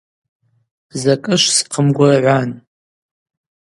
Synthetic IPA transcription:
zakʼɨʃʷsqʰəmɡʷarʕʷan

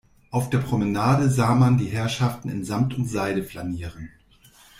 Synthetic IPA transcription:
ʔaʊfd̥eːɐpʁ̥omənaːdəzaːmandiːɦɛɐʃaftn̩ɪ̰nzamtʊntz̥aɪɾəflaniːʁ̞ən

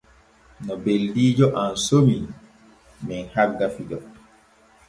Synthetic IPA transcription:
nɔbeldiːd͡ʒɔʔansomi | mɛnhaɾɡafidɔ

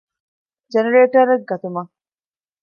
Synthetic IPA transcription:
d͡ʒɛnɐɾeːʈɐɾɐɡɐt̪ʊmɐ

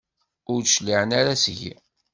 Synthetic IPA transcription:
ʊɾʃliʕnaɾasʝḭ

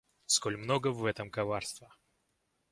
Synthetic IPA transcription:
skolʲmnoɡəvɛt̪əmkɐvarst̪və

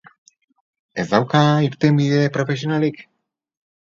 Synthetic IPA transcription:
ezd̪awkaiɾt̪embiðepɾofes̬ionalik

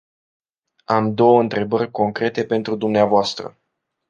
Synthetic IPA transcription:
amd̪o̞wəɨnt̪ɾe̞bərʲko̞ŋkɾe̞t̪e̞pe̞nt̪ɾud̪umneavoast̪ɾə̰

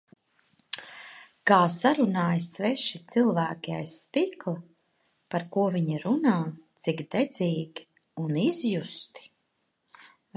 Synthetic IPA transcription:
kaːsaɾunaːjsvɛʃit̪silˠvæːkʲiajsːt̪iklˠa | paɾkuɔviɲiɾunaːt̪siɡd̪ɛd̪ziːɡʲi̥ | unizjust̪i̥

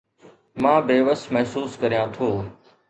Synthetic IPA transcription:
mãːbeːʋəsmɛɦsuːskɐɾijãːt̪ʰoː

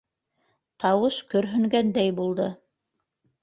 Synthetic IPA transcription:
t̪ɑwɤʃkɵ̆ɾɦɵ̆ŋɡænd̪æjbulˠd̪ɤ

